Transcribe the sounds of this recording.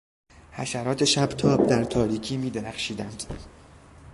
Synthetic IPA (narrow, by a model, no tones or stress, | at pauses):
hæ̰ʃæɾɒːt̪ʰeʃæbt̪ʰɒːb̚d̪æɾt̪ʰɒːɾiːcʰiːmiːd̪eɾæχʃiːd̪ænd̪̥